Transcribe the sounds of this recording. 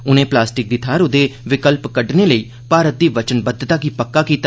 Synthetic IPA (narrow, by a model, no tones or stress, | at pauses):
ʊnẽːplaːsʈɪk̚d̪ɪt̪ʰaːɾʊd̪eːʋɪkəlpkəɖneːləiː | paːɾət̪̚d̪iːʋət͡ʃənbəd̪ːt̪aːkipəkːaːkiːt̪a